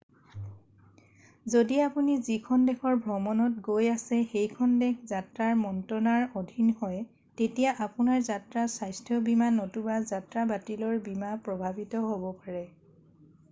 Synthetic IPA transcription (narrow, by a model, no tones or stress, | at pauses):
zodiapunizikʰɔndɛkʰɔɹbʱɹɔmɔnɔt̚ɡojasɛxejkʰɔndɛkzatɹaɹmɔntɹɔnaɹodʱinhɔj | tetijaʔapunaɹzatɹasajstʰjɔbimanɔtubazatɹabatilɔɹbimapɹɔbʱabitɔɦobɔpaɹɛ